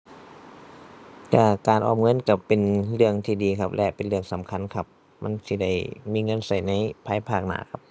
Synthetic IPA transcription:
ka˧˩kaː˨nʔɔ̰ː˧˩mŋɤ˧˥˨nka˧˩pe˨nlɯ˧˩əŋt̪ʰiː˧˩diː˨˦kʰa˧p̚lɛ˧pe˨nlɯ˧˩əŋsa˨˦mkʰa˧˥˨nkʰa˧p̚ | ma˧˥˨nsiː˧da˧˩jmiː˧˥˨ŋɤ˧˥˨nsa˨˩jna˧˥˨jpʰaː˧˥˨jpʰaː˧˩k̚na̰ː˧˦kʰa˧˥p̚

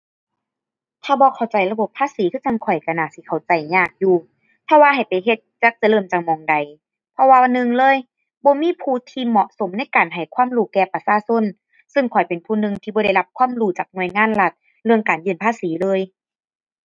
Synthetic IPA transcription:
t̪ʰaː˧˩bɔː˧˦kʰa˨˩wt͡ɕa˨˩jla˧bo˧˩pʰːaː˧˥˨siː˨˦t̪ʰɯː˧˥˨a˧˨ŋkʰɔ˨˩jka˧˩naː˧˩si˧˦kʰa˨˩wt͡ɕa˨˩jɲaː˧˩k̚juː˧ | pʰɔ˧waː˧ɦa˨˩jpa˨˩jɦe˧t̪̚t͡ɕa˧˦k̚t͡ɕa˧˨lɤː˧˩˨mt͡ɕa˨˧ŋmɔː˨˦ŋda˨j | pʰɔ˧waː˧a˧nːɯ˧ŋlɤː˧˥˨j | bɔː˧˦miː˧˥˨pʰuː˧˨t̪ʰiː˧mɔ˧ʔso˨˦mna˧˥˨jkaː˨˩nɦa˨˩jkʰwaː˧˥˨mɾuː˧˩kɛː˧˩pa˧saː˧˨so˧˥˨n | sɯ˧ŋkʰɔ˨˩jpe˨npʰuː˧˨nɯ˧˨ŋt̪ʰiː˧bɔː˧ɾa˧˩jla˧p̚kʰwaː˧˥˨mɾuː˧˩t͡ɕaː˨˩k̚nu˧˩əjŋaː˧˥˨nla˧˩t̪̚ | lɯ˧əŋkaː˨˩njɯː˧˩˨npʰaː˧˥˨siː˨˦lɤː˧˥˨j

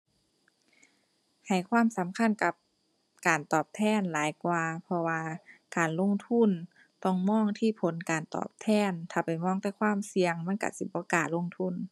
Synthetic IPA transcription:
ha˨˩jkʰwaː˧˥˨msa˨˦mkʰa˧˥˨nka˧˦p̚ | kaː˨˩nt̪ɔː˨˩p̚t̪ʰɛː˧˥˨nlaː˨˦jkwaː˧pʰɔ˧waː˧kaː˨˩nlo˧˥˨ŋt̪ʰu˧˥˨n | t̪ɔ˧˩ŋmɔː˧˥˨ŋt̪ʰiː˧˩˨pʰo˨˦nkaː˨˩nt̪ɔ̰ː˧˩p̚t̪ʰɛː˧˥˩nt̪ʰaː˧˩pa˨˩jmɔː˧˥˨ŋt̪ɛː˧˩kʰwaː˧˥˨msi˧əŋma˧˥˨nka̰˧˩si˧˩bɔː˧˦kaː˨nlo˧˥˨ŋt̪ʰu˧˥˨n

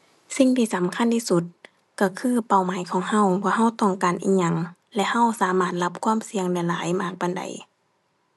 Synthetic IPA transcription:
si˧˩ŋt̪ʰiː˧˩sa˨˦mkʰa˧˥˨nt̪ʰiː˧˩su˧˦t̪̚ | ka˧˩kʰɯː˧˥˨pa˨˩˨wmaː˨˦jkʰɔː˨˦ŋha˧˥˨wbɔː˧ɦa˧˥˨wt̪ɔː˧˩ŋkaː˨nʔiː˧˩ɲa˧ŋ | lɛ˧ʔha˧˥˨wsaː˨˦maː˧˩t̪̚la˧p̚kʰwu˧˥˨msi˧əŋnɛ˧˩˦laː˨˦jmaː˧˩k̚pa˨nda̰˨˩˦j

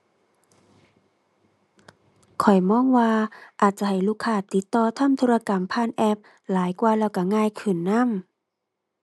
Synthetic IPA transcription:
kʰɔ˨˩jmɔː˧˥˨ŋwaː˧ʔaː˨˩t̪̚t͡ɕa˧˦ɦa˨˩jluː˧˩kʰːaː˧˩t̪i˧˦t̪ːɔː˧t̪ʰa˧˥˨mt̪ʰoː˧a˧ka˨˩mpʰaː˧˥˨nʔɛ˧p̚ | laː˨˦jkwaː˧lɛː˧˩wka˧˩ŋaː˧˨jkʰɯ˨˩nːa˧˥˨m

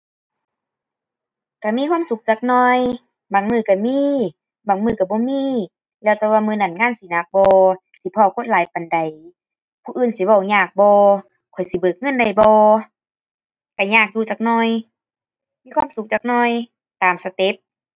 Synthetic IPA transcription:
ka˧˩miː˧˨waː˧˥˨msu˧˦k̚t͡ɕaː˧˩k̚nɔː˧˩j | baː˨˩˦ŋmɯː˧˩ka˧˩miː˧˨ | baː˨˩ŋmɯː˧˩ka˧˩bɔː˧˦miː˧˨ | lɛː˧˩wt̪ɛː˧waː˧˨mɯː˧˨na˧˩nŋaː˧˥˨nsi˨˦na˧˦k̚bɔː˧ | si˧˦pʰɔː˧˨kʰo˧˥˨nlaː˨˦jpa˨nda˨˩j | pʰuː˧ʔɯː˧˨nsi˨˦ba˧˩wɲaː˧˩k̚bɔː˧ | kʰɔ˨˩jsi˨˦bɤː˨˩k̚ŋɤ˧˥˨nda˨˩jbɔː˧ | ka˧˩ɲaː˧˩k̚juː˧˩t͡ɕaː˨˧k̚nɔː˧˨j | miː˧˥˨kʰwa˧˥˨msu˧˦k̚t͡ɕaː˧˩k̚nɔː˧˩˨j | t̪aː˨˩msa˧t̪e˧˦t̪̚

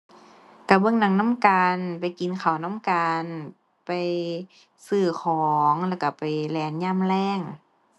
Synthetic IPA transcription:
ka˧˩bɤ˧˥˨ŋna˧˦ŋna˧˥˨mkaː˨˧npa˨jki˨nkʰa˨˩wna˧˥˨mkaː˧n | pa˨j | sɯː˧˩kʰɔː˨˩˦ŋlɛː˧˩wka˧˩pa˨jlɛː˨˦nɲaː˧˥˨mlɛː˧˥˩ŋ

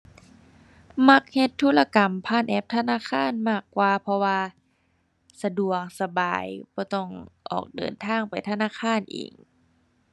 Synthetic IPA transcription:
ma˧˦˥k̚he˧t̪ʰːuː˧˥˩la˧ka˨˩mpʰaː˧˥˩nʔɛː˧˥p̚t̪ʰa˧naː˧˥˨kʰaː˧˥˨nmaː˧˥˩kːwaː˧pʰɔ˧waː˧ | sa˧du˨˩ək̚sa˧baː˨˩jbɔː˧˦t̪ɔ˧˩ŋʔɔ̰ː˨˩k̚dɤ̰ː˨˩nt̪ʰaː˧˥˨ŋpa˨jt̪ʰa˧naː˧˥˨kʰaː˧˥˨nʔḭː˨˩ŋ

